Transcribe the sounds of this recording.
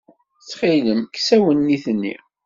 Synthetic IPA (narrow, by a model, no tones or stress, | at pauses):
t͡sːχiləmksæwənːiθənːḭ